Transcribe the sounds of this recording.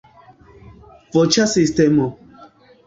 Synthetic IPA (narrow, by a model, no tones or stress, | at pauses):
vɔt͡ʃasist̪ɛmɔ